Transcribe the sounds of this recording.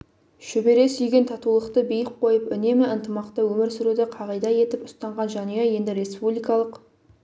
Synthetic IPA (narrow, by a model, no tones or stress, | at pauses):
ʃʏbe̞ɾe̞sʏjɡʲe̞nt̪ʰɑt̪ulˠəqt̪əbijəq̚qʰo̞jəpʏne̞mɪənt̪əmɑqt̪əwɵmɪɾsʏɾud̪ɪqʰɑʁɑjd̪ɑje̞t̪ɪpʊst̪ɑɴʁɑnʒɑnejeje̞nd̪ɪɾe̞spublʲijkɑlˠəq